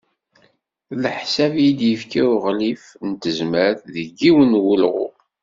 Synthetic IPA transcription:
lħsævjid̪jəfkiʊʁlif | nt̪əzməɾθðəɡːiwənwulʁʊ̰

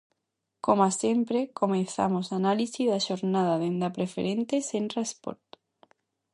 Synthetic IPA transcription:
komasempɾekomẽnθa̰mosanalisiðaʃoɾnaðaðend̪apɾefḛɾent̪esent̪ɾaspo̰ɾt̪

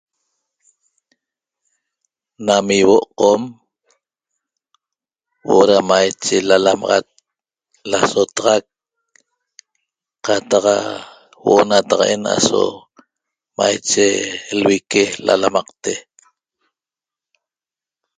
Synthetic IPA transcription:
namiwoʔqom | woʔoɾamajt͡ʃelalamɑʁɑ̰t̪̚ | lasot̪ɑʁɑk̚ | qɑt̪ɑqa | woʔonat̪ɑqena̰so̰ | majt͡ʃelwikela̰lamɑqt̪e

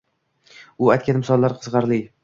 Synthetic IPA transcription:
ʊajt̪kʲanmɪsɒlˠːaɾqʰɨzʁɑɾlɪ

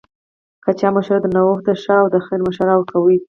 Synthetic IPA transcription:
kat͡ʃɑməʃaɾd̪ənawoxd̪əʃaːwd̪əxeɾməʃaɾawkʰawi

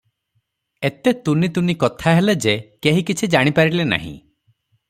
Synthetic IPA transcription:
et̪et̪unit̪unikɔt̪ʰaɦeled͡ʒekeɦikit͡ʃʰid͡ʒaɽ̃ipaɾilena̰ɦḭ̃

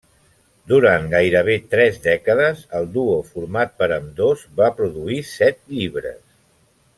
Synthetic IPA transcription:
d̪uɾanɡajɾəβ̞et̪ɾɛzd̪ɛkəðəzəlˠd̪uofuɾmat̪̚pəɾəmd̪ozbapɾuðuisɛt̪̚ʎiβ̞ɾə̰s

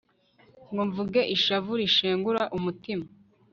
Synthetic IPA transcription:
ŋɡoɱvuɡe̞ʔiʃavuɾiʃeːŋɡuɾaʔumutima

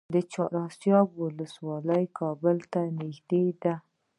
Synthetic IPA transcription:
d̪ət͡ʃɑɾɑsjɑbwʊləswɑləjkʰɑbəlt̪anɪxd̪ed̪a

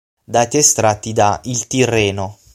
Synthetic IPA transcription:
d̪aːt̪iest̪ɾat̪ːid̪ailt̪irːɛːno

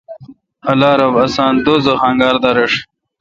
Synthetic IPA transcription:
ɐlaːɾɐbɐsaːnd̪oːzoχaŋɡaːɾd̪ɐɾeʂ

